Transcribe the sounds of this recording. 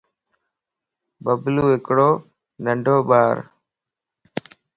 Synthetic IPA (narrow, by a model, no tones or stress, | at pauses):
bəbluːɦɪkɽoː | nəɳɖʱoːɓaːɾ